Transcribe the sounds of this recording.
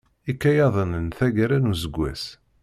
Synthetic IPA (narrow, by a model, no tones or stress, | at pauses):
ikːæjɑðˤənənθæɡæɾænuzəɡʷːæ̰s